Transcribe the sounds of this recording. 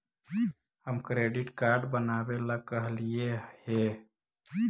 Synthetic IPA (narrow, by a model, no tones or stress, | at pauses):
ɦəmkɾeɖiʈkaɾɖbənabeləɡ̚kːəɦlijehe